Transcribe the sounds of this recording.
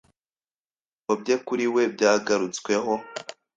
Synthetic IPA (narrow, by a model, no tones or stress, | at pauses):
obɟekuɾiwe̞bɟaːɡaɾut͡swe̞ɦo